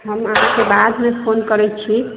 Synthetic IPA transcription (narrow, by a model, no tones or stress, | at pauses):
ɦəmaɦkebad̪mepʰonkəɾɛt͡ʃʰi